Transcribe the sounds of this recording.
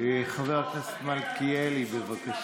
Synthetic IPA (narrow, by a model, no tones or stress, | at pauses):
χaveʁknese̥t̪mal̚kijelibevakaʃ